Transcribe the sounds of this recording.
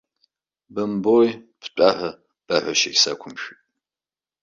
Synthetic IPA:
bɐmboːj | pʰɕʷʼaːħɐ | b̥ɐħʷɐʃejsɐ̰kʷʰʊmʃᶣʼ

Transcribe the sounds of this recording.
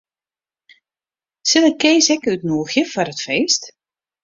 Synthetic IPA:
sɪləkeːsɛkytnuəxjəfɔrətfeːst

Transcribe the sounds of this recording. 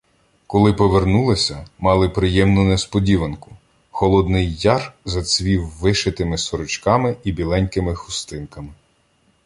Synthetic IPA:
kɔlˠɪpɔʋernulˠɐsʲɐmɑlˠɪpɾɪjɛmnʊnespɔdʲiʋɐnkʊ̥ | xɔlˠɔd̪nɪjːɑrzɐt͡sʲʋʲiwːɪʃet̪ɪmɪsɔɾʊt͡ʃkɑmɪibʲilˠɛnʲkɪmɪxʊst̪ɪnkɐmɪ

